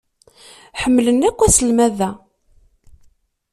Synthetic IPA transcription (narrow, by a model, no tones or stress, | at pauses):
ħəmːlənːækʷːæsəlmæðæ